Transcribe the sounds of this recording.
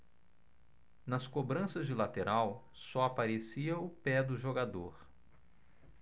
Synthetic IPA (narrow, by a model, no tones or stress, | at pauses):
nɐskobɾɐ̃sɐzd͡ʒɪlat̪eɾʔaw | sɔapaɾesiɐʊpɛd̪ʊʒoɡad̪oɾ